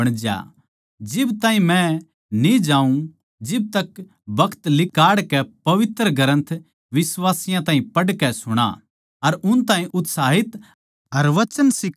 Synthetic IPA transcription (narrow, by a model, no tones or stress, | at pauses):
ɐɽ̃d͡ʒja̰ | d͡ʒɪbt̪ãːɦĩmɛ̃ | nid͡ʒãːũ | d͡ʒɪb̚t̪ɐk | bɐkʰt̪lɪkaːɽkɛpɐʋɪt̪ɾəɡɐɾə̃nt̪ʰ | ʋɪsʋaːsɪjãt̪ãːɦĩpɐɽkɛsʊɽ̃a̰ | ɐɾʊnt̪aːɦĩʔʊt̪saːɦɪt̪ | ɐɾʋɐt͡ʃənsɪk